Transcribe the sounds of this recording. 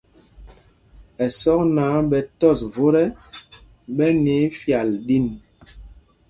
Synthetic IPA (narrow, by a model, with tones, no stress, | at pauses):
ɛ˨sɔ˦k̚naː˨˦ɓɛ˨tɔ˦˨svo˦ɾɛ˦ | ɓɛ˦ne˨˦fja˨ldi˦˨n